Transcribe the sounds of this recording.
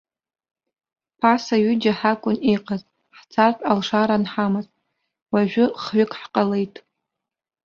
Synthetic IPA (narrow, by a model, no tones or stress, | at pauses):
pʰasaɥʏd͡ʒaħakʷʼʊneqʼaz | ħt͡sʰartʼalʂaɾanħamaz | waʒᶣʷʊχɥʷɪkʼħqʼalejtʼ